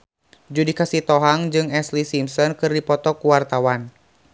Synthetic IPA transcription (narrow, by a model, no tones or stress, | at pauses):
d͡ʒudikasit̪ɔɦaŋd͡ʒɨŋɛslisimsɔnkɨrdipɔt̪ɔkuwart̪awan